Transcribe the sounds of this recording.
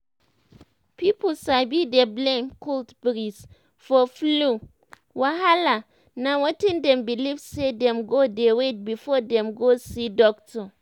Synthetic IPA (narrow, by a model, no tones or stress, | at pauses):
piposabideblẽmkoltbɹis | fɔflu | waɦala | nawɔtĩndɛ̃mbilivsedɛ̃mɡodewet̚bifɔdɛ̃mɡosidɔktʰɔ